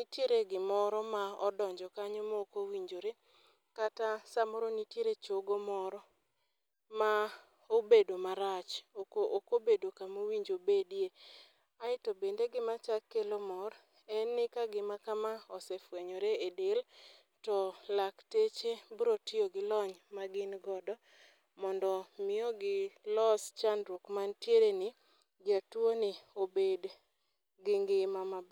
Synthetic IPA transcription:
nitjeɾeɡɪmɔɾɔmaɔdɔɲd͡ʒɔkaɲɔmɔokowiɲd͡ʒoɾe | katasamoɾonitjeɾet͡ʃoɡomɔɾɔ | ma | obedomaɾat͡ʃokoʔokobedokamowiɲd͡ʒobedie | aɪtobendeɡɪmat͡ʃakːelomɔɾ | ɛnɪkaɡɪmakamaɔsɛfweɲɔɾeedɪl | tɔlaktet͡ʃebɾotɪoɡɪlɔɲmaɡɪnɡɔdɔ | mɔndɔmɪɔɡɪlɔst͡ʃandɾokmantjeɾenɪ | d͡ʒatwonɪobed | ɡɪŋɡɪmama

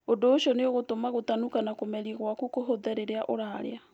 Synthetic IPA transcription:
ondoːʃiɔneoɣotomaɣotanukanakomɛɾiɣwakukoɦoðɛɾeɾeaʔoɾaɾḛa

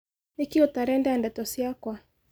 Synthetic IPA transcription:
ikiutaɾɛndandatɔsiakwa

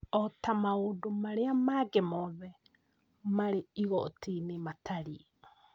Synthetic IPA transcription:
ɔtamaodomaɾeamaɡɛmɔðɛ | maɾeiɣɔ̰tinematʰaɾiɛ

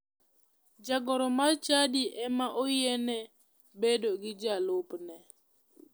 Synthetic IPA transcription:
d͡ʒaɡɔɾɔmat͡ʃadiʔɛmaʔojɛnɛ | bedoɡɪd͡ʒalopnɛ

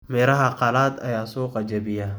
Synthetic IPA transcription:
mɛːɾɐɦɐqɑlaːd̪ɐjaːsuːqɐd͡ʒɐbɪjɐ

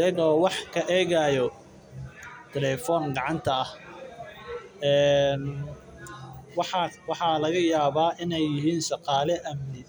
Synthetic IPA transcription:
ɐɣɔːwɑħkʰɐʔɛːɣajɔ | t̪ʰɛlɛfɔːŋɡɑʕɑnt̪ʰɐɐh | ɛːn | wɑħɑwɑħɑlɐɣɐjaːβaːʔɪnɛjːɪɦiːnʃɑqɑːlɛʔɐmnɪ

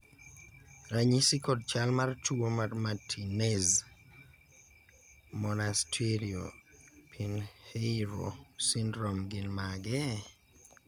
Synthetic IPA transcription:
ɾaɲisikɔd̚t͡ʃalmartuomarmatʰinez | mɔnastʰeɾiopʰinheɾo̰sindɾɔmɡɪnmaɡɛ

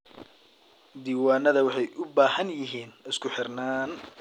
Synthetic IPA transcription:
d̪iːwaːnɐðɐwɑħɑjʔʊbaːhɐnjɪɦiːnɪskʰʊħɪrnaːn

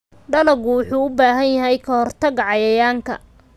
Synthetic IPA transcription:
ɖɐlɐɡʊwʊħuːʊbaːɦɐnjɐɦɛjkʰɐhɔrt̪ʰɐɣʕɑjɐjaːŋkʰɐ̰

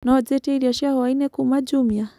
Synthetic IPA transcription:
nɔɔd͡zɛtɛiɾiaʃiahɔwainɛkumad͡ʒumja

